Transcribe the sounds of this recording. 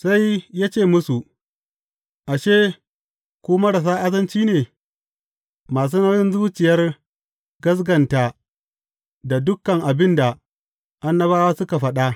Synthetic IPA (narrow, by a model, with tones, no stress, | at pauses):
sa˦jːaː˦t͡ʃeː˦˨mʊ˦su˨ | ʔa˨ʃeː˦ | kʷuː˦mɐ˦ɽɐ˨s̬aː˦ʔa˦zɐ˦nt͡ʃiː˦neː˨ | maː˨s̬uː˦nɐ˦ɾɪ˦nzuː˦t͡ʃɪ˨jɐ˦r | ɡɐ˦s̬ɡɐ˨nta˨ | da˨dʊ˦kːɐ˨ŋʔa˨bɪ˦nda˨ | ʔa˦nːɐ˦βaː˦waː˦sʊ˦ka˨ɸɐ˦ɗa˦